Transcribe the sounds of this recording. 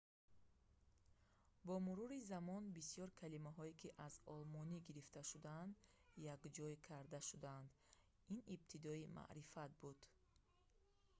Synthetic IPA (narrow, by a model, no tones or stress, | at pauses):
bɔmuɾuɾizamɔnbisjɔɾkʰalimaɦɔikʰiʔazɔlmɔniɡiɾift̪ʰaʃud̪and̪ | jaɡd͡ʒɔikʰaɾd̪aʃud̪and̪ | inibt̪ʰid̪ɔimʔa̰ʔɾifat̪̚bud̪̥